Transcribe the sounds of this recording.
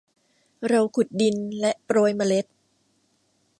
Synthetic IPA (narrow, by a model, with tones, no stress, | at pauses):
ɾa˧wkʰu˨˩t̪̚di˧nlɛ˦˥ʔpɾoː˧jma˧le˦˥t̪̚